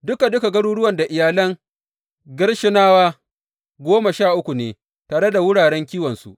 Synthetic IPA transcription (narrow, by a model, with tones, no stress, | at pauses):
dʊ˦ka˨dʊ˦ka˨ɡɐ˦ɽuː˦ɽʊ˦wɐ˨nda˨ʔɪ˨jaː˨lɐ˦ŋ | ɡɪ˦ɽʃɪ˦naː˦waː˦ | ɡʷoː˦ma˨ʃaː˦˨ʔʊ˦kʷu˨neː˨ | taː˨ɽe˦da˨wʊ˦ɽaː˨ɽɛ˦ŋkʲiː˦wɐ˨nsṵ˦ʔ